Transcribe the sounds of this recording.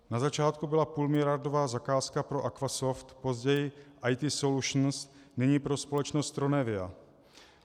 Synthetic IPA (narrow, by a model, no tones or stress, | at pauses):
nazat͡ʃaːt̪kubɪlapuːlmɪlɪjaɾdovaːzakaːskapɾoʔakvasoft̪pozɟɛjɪʔajt̪ɪsoluʃn̩snɪɲiːpɾospolɛt͡ʃnost̪ɾonɛvɪa̰